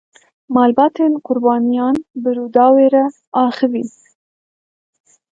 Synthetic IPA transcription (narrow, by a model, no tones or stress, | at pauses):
mɑːlbɑːt̪ʰenqʊɾbɑːnijɑːnbɨɾud̪ɑːweːɾa | ɑːxɨvi